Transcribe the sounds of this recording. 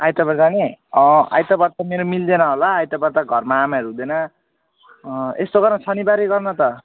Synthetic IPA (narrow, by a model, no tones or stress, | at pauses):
ajt̪ʌbʌɾd͡zaniʌ̃a̰jt̪ʌbʌɾt̪ameɾomild̪enʌɦolaːjt̪ʌbʌɾt̪aɡʱʌrmaːmaʌɾuɦũd̪enʌ | est̪oɡʌrnʌsʰʌnibaɾiɡʌrnʌt̪ʌ